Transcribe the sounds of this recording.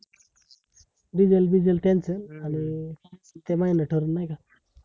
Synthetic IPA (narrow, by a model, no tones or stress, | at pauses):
ɖid͡zəlbid͡zəlʈensənani | t̪emajnəʈʰəɾunːajka